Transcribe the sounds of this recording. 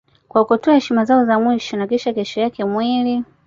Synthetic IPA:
kwakutɔahɛʃimazaɔzamwiʃɔnakiʃakɛʃɔjakɛmwili

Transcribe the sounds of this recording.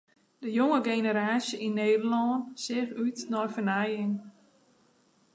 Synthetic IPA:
d̥əjoŋəɡeːnəɾaːsjəʔinːeːdəlɔːnsɪxytnɔjfənajɪŋ

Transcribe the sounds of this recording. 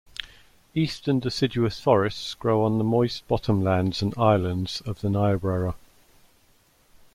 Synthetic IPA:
iˑstə̃ndɪsɪd͡ʒuəsfɒɹɪstsɡ̥ɹəʊə̃nðəmɔɪsb̥ɒtʰə̃mlãndz̥ə̃naɪlə̃ndz̥əvðənaɪəbɹəɹə

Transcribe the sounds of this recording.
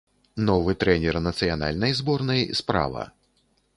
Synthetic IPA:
nɔvɨt̪ɾɛnʲɛrnɐt̪sɨjana̰lʲnɐjzbɔrnɐjspɾa̰vɐ̰

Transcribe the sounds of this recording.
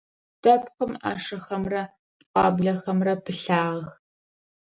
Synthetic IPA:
dɐpχəma̰ːʂɐxɐmrɐ | tʼqɑ̰ːbɮɐxɐmrɐpʰɨɬaːʁx

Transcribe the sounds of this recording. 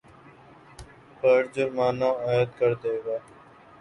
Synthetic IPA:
pəɾd͡ʒʊɾmaːnãːaːjəd̪kəɾd̪eːɡaː

